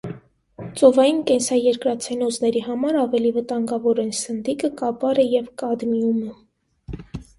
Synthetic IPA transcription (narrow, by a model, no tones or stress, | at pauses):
t͡sɔvɑjinkɛnsɑjɛɾkɾɑt͡sʰɛnɔznɛɾiɦɑmɑɾɑvɛlivət̪ɑŋɡɑvɔɾɛnsənd̪ikəkɑpɑɾəjɛvkɑd̪miumə